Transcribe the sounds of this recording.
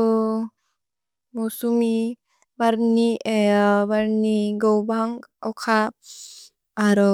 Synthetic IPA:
mɔsumi | baɾniebaɾniɡɔwbaŋawkʰap̚ | aɾɔ

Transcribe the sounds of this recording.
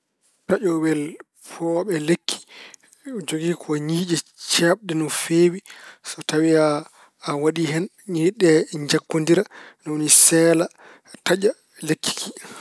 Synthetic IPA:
taʔɔwɛl | pʰɔɓɛlekʰːi̥ | d͡ʒoɡiːkʰɔɲiːd͡ʒɛt͡ʃaɓɗɛnɔfeːwisɔtawiaː | waɗiɦɛn | ɲiɗɛɲd͡ʒakːondiɾanɔwonisɛːla | tad͡ʒa | lekːi̥kʰi̥

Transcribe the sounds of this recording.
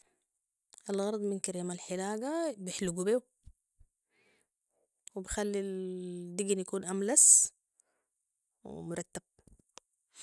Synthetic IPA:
ʔalɣɑɾˤd̪ˤminkaɾiːmalħɪlaːɡabɪħluɡubeːw | wibixalːid̪iɡnjakuːnʔamlas | w̰mʊɾˤɑt̪ːab̥̚

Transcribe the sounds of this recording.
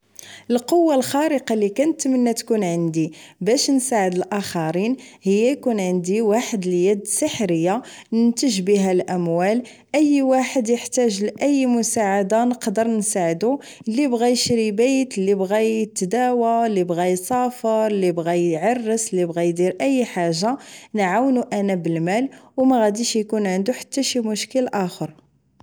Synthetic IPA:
əlqowːalxɑɾəqɑlikænət̪mənːæt̪kunʕənd̪ibæʃnsaʕəd̪əlʔaxɑɾinhəjːæjkunʕənd̪iwaħəd̪ljæd̪səħɾəjːanənt̪əʒbiɦælʔæmwæl | ʔəjːwaħəd̪jəħt̪æʒlʔəjːmʊsaʕad̪anəqd̪əɾˤnsaʕəd̪u | lːibɣæjəʃɾibejt̪əlːibɣæjət̪ːd̪æwalːibɣæjsˤɑfəɾˤlːibɣæjʕɑrˤːəsˤəlːibɣæjd̪iɾʔəjːħaʒːanʕawnuʔænæbəlmælwmæɣæd̪iʃjkunʕənd̪uħḁt̪ːæʃimʊʃkəlʔæxəɾ

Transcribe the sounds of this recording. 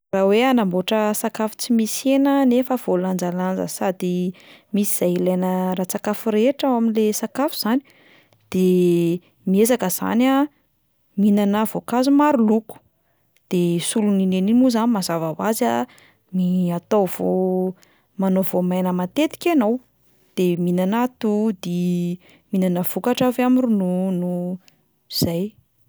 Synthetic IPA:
raweanamboʈ͡ʂəsakafu̥t͡simisenənefəv̥oland͡zaland͡zə̰sad̪imisi̥z̥ajilajnəɾat͡sakafuɾeʈ͡ʂawaminlesakafu̥z̥ani̥ | d̪̥e | miezakəz̥a̰na | minanavokazumaɾuluku̥ | d̪̥esuluninenimuzanimazavavaza | miat̪ov̥o | manovomajnəmat̪et̪i̥kʲanow | d̪̥eminanat̪ud̪i | minanəv̥ukaʈ͡ʂavamirununu | iz̥aj

